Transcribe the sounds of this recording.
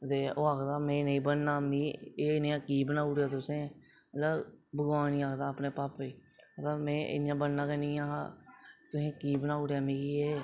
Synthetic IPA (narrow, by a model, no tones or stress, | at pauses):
t̪eːoːaːkd̪aːmɛ̃ːnəĩːbənnaːmĩːeːneãːkiːbənaːʊɽjaːt̪ʊsẽː | ələbbəɡʋaːnĩːaːkd̪aːpneːpaːpeːət̪amɛ̃ːʔɪ̰njãːbənnãːkənĩːaː | t̪ʊsẽːkiːbənaːʊɽjaːmĩːkiːeː